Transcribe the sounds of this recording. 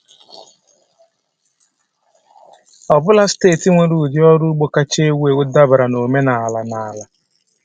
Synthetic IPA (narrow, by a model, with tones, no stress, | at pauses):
ɔ˨bʊ˦la˦steː˦˨ti˦ŋʷe˨ɾu˨dɪ˦ɔ˦ɾu˦ɡ͡bo˨ka˦t͡ʃe˦we˨wʊ˦da˦bɾa˨no˨me˦na˨a˨la˨na˨la˨